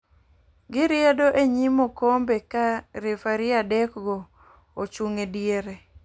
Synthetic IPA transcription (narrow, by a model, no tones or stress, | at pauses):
ɡɪɾɪedoʔeɲimokombekaɾefaɾɪadɛkɡɔ | ot͡ʃuŋedjeɾe